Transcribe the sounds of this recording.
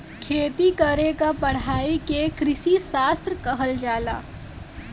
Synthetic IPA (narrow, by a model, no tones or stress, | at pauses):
kʰeːt̪ikəɾekapɐɽ̤aːikekɾɪsisaːst̪ɾkəɦəld͡ʒaːla̰ː